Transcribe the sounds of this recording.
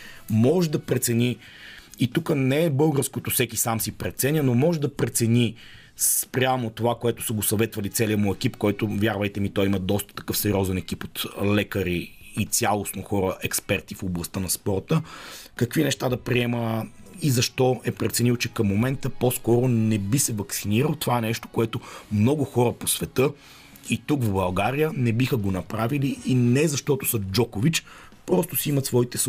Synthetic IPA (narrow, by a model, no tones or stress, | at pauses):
mɔʒd̪ɐpɾɛt̪sɛni | it̪ukənɛɛbɤlˠɡəɾskot̪ofsɛkisamsipɾɛt̪sɛnʲjənomɔʒɛd̪ɐpɾɛt̪sɛni | spɾʲamot̪ovakoɛt̪ʊ̥səɡosɐvɛt̪vɐlit̪sɛliəmʊɛkipkɔɛt̪ʊvʲjaɾvəjt̪ɛmit̪ɔjiməd̪ɔst̪ə̥t̪ɐ̥kɤfsɛɾʲɔzɛnɛk̟ipot̪lɛkəɾiː | t̪sʲjalˠosnoxɔɾəʔɛkspɛɾt̪ifoblˠɐst̪ənɐspɔɾt̪əkəkvinɛʃt̪ad̪ɐpɾiɛmə | izɐʃt̪ɔɛpɾɛt̪sɛnilˠt͡ʃɛkɐmːomɛnt̪əpɔskɔɾʊnɛbisɛvɐksiniɾəlˠt̪ovaɛnɛʃt̪o̥koɛt̪omnɔɡʊxɔɾəposvɛt̪ɤ | it̪ukvbɐlˠɡaɾijənɛbixəɡonɐpɾaviliːnɛzɐʃt̪ɔt̪ʊ̥sɐd͡ʒɔkʊvit͡ʃ | pɾɔst̪ʊsiimət̪svɔit̪ɛs